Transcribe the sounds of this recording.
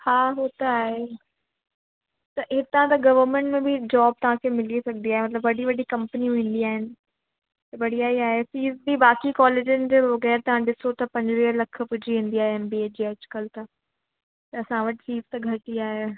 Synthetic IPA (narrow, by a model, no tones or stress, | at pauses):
haːɦoːt̪aaːɦe | t̪ɐɦɪt̪ãt̪ɐɡɐʋəɾmẽɳʈmẽbʱɪd͡ʑaːb̚t̪ɐʋ̤ãkʰemɪlisɐɡʱnd̪iaːɦemɐt̪ləbʋɐɽiʋɐɖikɐ̃mpəniũɦĩːn̆d̪iaːɦɪnɪ̆ | t̪ɐʋɐɽ̤iaːiaːɦesiːzbibaːkikɔːleːd͡ʑʊnɪ̆d͡ʑeːʋɐɣɛːɾt̪ɐʋ̤ãɗɪsot̪ɐpɐ̃ɲd͡ʑʋiːəlɐk̆ʰpʊd͡ʑʱiẽːn̆d̪iaːɦeɦɪnbied͡ʑiːɐt͡ɕkəlt̪ɐ | t̪ɐɐsãʋɐʈɪsiːzt̪ɐɡʱɐʈiaːɦe